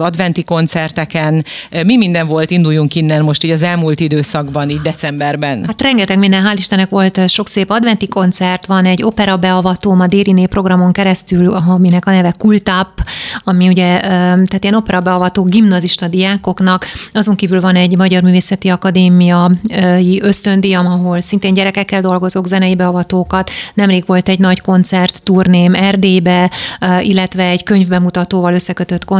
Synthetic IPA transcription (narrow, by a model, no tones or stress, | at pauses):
ɒd̪vɛnt̪iko̞nt̪sɛrt̪ɛkɛnmimind̪ɛɱvo̞lt̪ind̪ujːuŋkinːɛnmo̞ʃt̪iːɟɒzɛlmuːlt̪id̪øːsɒɡbɒniːɟd̪ɛt̪sɛmbɛrbɛnhat̪rɛŋɡɛt̪ɛɡmind̪ɛnɦaːliʃt̪ɛnɛkʋo̞lt̪ʃo̞kseːpɒd̪vɛnt̪iko̞nt̪sɛrt̪ʋɒnɛɟːo̞pɛɾɒbɛɒvɒt̪oːmɒd̪eːɾineːpro̞ɡrɒmo̞ŋkɛɾɛst̪ylminɛkɒnɛvɛkult̪apːɒmiuɟɛt̪ɛːt̪ijɛno̞pɛɾɒbɛɒvɒt̪oːɡimnɒziʃt̪ɒd̪ijaːko̞knɒkɒzo̞ŋkiːvylvɒnɛɟmɒɟɒrmyːveːsɛt̪iɒkɒd̪eːmijɒjiʔø̞st̪ø̞nd̪ijɒmɒɦo̞lsint̪eːɲɟɛɾɛkɛkːɛld̪o̞lɡo̞zoɡzɛnɛjibɛɒvɒt̪oːkɒt̪nɛmreːɡʋo̞lt̪ɛɟnɒcko̞nt̪sɛrt̪ːurneːmɛrd̪eːbɛ | ilːɛt̪ʋɛːɟkø̞ɲvbɛmut̪ɒt̪oːvɒlø̞sːɛkøt̪øt̪ko